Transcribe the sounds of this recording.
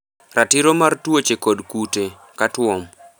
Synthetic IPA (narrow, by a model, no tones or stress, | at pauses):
ratiɾomartwot͡ʃekodkute | katwɔm